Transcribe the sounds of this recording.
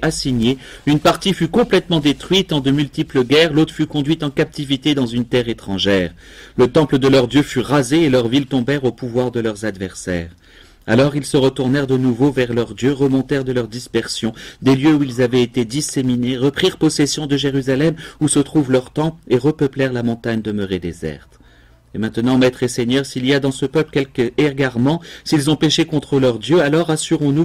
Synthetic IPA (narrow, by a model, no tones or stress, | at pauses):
asiɲeynpaʁt̪ifykɔ̃plɛt̪mɑ̃d̪et̪χɥit̪ɑ̃d̪əmylt̪ipləɡʲɛʁlot̪χə̥fykɔ̃d̪ɥit̪ɑ̃kap̚t̪ivit̪ed̪ɑ̃zynt̪ɛʁet̪χɑ̃ʒɛːʁ | lət̪ɑ̃pləd̪əlœʁd̪jøfyʁazeːlœʁvilt̪ɔ̃bɛʁopuvwaʁd̪əlœʁzad̪vɛʁsɛ̰ːʁ | a̰lɔʁilsəʁət̪uʁnɛʁd̪ənuvovɛʁlœʁd̪jøʁəmɔ̃t̪ɛʁd̪əlœʁd̪ispɛʁsjɔ̃d̪eljøuilzavɛet̪ed̪isemineʁəpχiʁpɔsɛsjɔ̃d̪əʒeʁyzalɛmusət̪χuvlœʁt̪ɑ̃peʁəpəplɛʁlamɔ̃t̪aɲd̪əmøʁed̪ezɛ̰ʁt̪ | emɛ̃t̪nɑ̃mɛt̪χeseɲœʁsiliad̪ɑ̃səpœpləkʲɛlkɛʁɡaʁmɑ̃silzɔ̃peʃekɔ̃t̪χəlœʁd̪jøalɔʁasyʁɔ̃nu